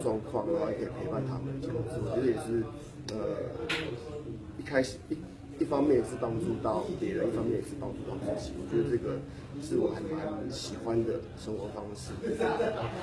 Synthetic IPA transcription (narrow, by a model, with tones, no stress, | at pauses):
t͡swɑ˥˧ŋkʰwɑ˥˨˩ŋ˨˥˩ke˨˩pʰe˧ɪpa˥˧˩nt̪ʰa˦mə˨n˨˩t͡ɕjɑ˨˩˧sɔ˥˩˨t͡ɕɛ˧˥˩jɛ˨˩ʂɻ̩˥˩ | ə˨ | i˥kʰa˥ɪʂɻ̩˨˩i˥ | i˥˩fɑ˥ŋmjɛ˥˩n˨˩s̩˥˧˩pɑ˥ŋt͡su˥˧t̪ɑ˥˨ʊpjɛ˨˥ɻə˧˦i˥˩fɑ˥ŋmjɛ˥˩n˨˩sɹ̩˥˧pɑ˥ŋt͡su˥˧t̪a˥˨ʊt͡ɕi˥˩t͡ɕʰḭ˨˥ŋwɔ̰˨˩t͡ɕɥɛ˧˥d̪ə˨˧ʈ͡ʂɤ˥˩ɡə˨˩ | ʂɻ̩˥˩wɔ˨˦xə˨˩nma˨˦nɕi˨˩xwa˦nd̪ə˨˩ | ʂə˥ŋxwɔ˨˧˥fɑ˦ŋʂɻ̩˥˩˥